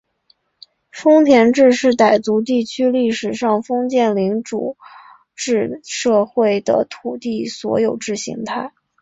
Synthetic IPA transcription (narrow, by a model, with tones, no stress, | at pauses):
fɤ˥ŋt̪ʰjɛ˧˥nʈ͡ʂɻ̩˥˧ʂɻ̩˥˩t̪a˨˩ɪt͡su˧˥t̪̬i˥˩t͡ɕʰy˥li˥˩ʂɻ̩˨˩ʂɑ˥˩ŋfɤ˥ŋt͡ɕjɛ˥˩nli˧˥ŋʈ͡ʂṵ˨˩ | ʈ͡ʂɻ̩˥˧ʂɤ˥˧xwe˥˩ɪd̪ə̰˩t̪ʰu˨˩t̪i˥˩swɔ̰˧˥jo˨˩ʊʈ͡ʂɻ̩˥˩ɕḭ˧˥ŋt̪ʰa˥˩ɪ